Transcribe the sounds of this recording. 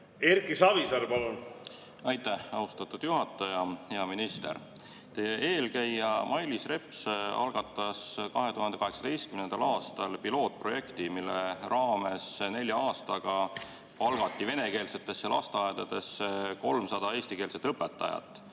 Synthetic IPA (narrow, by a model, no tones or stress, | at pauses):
eɾkisɑvisɑɾpɑlun | ɑjt̪ːˑæhɑust̪ɑt̪ːˑud̪̥juɦɑt̪ːˑɑjɑhe̞ɑminist̪ḛr | t̪eʔeːlkæjːɑmʔɑjlisre̞pˑsɑ̰lɡ̥ɑt̪ˑːɑskɑɦe̞t̪uɦɑnd̪e̞kɑɦe̞ksɑd̪̥e̞jst̪kymnend̪ɑlɑːst̪ɑlpilo̞ːt̪̚pro̞je̞kt̪imilːerɑːme̞sne̞lʲjɑɑːst̪ɑɡ̥ɑ | ɑlɡ̥ɑt̪ːive̞ne̞ke̞ːlse̞t̪ːˑe̞sːjɑlʔɑ̰st̪ɑɑed̪̥ɑd̪̥e̞seko̞lmsɑd̪ɑeːsʲt̪ike̞ːlse̞t̪ːɤpːˑe̞t̪ːˑɑ̰jɑ̰t̪ːˑ